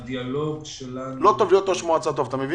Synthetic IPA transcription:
d̪ialoɡʃelalot̪oviot̪oʃmoat͡sat̪̬ovat̪amevi

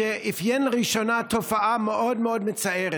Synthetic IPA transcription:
eʔifjenʁiʃonat̪ofaʔameʔod̪meod̪met͡saeʁe

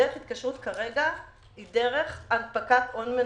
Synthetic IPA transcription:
eʁeχit̪kaʃʁutkaʁe̞ɡa | ide̞ʁe̞χanpakatʔonme

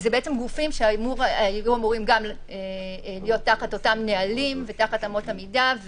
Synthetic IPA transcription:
zebeet͡se̞mɡufimʃeamuʁajjuamuʁimɡam | elijo̞tːaχato̞tamnealimvetaχatamo̞tamidav

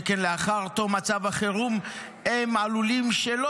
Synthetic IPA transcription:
kenleaχaʁt̪omat͡savaχeʁum | emʕalulimʃelo

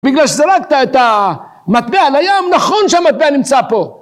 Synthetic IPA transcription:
biɡlalʃezeɾakt̪aet̪a | mat̪bealajomnaχo̞nʃeamat̪̚beanimt͡sapo̞

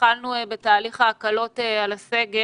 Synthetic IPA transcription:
alnubetaːliχaːkalo̞tealase̞ɡe

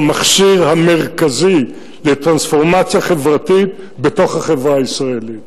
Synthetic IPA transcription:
maχʃiʁhame̞ʁkazi | let̪ʁansfo̞ʁmat͡sjaχe̞vʁatit | beto̞χhaχevʁaːisʁaelit

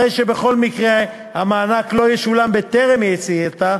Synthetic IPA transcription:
ejʃe̞be̞χo̞lmikʁe | hamaːnaklo̞jeʃulambet̪eʁemjet͡siet̪a

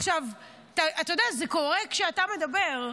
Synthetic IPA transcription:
χʃav | t̪aʔat̪ajodazeko̞ʁekʃeatame̞d̪ɐbe̞ʁ

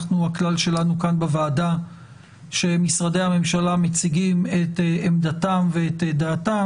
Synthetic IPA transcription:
χnuaklalʃe̞lanukanbevaːda | ʃe̞misʁadejhame̞mʃalamet͡siɡime̞t̪eemd̪atamveːt̪d̪aːta

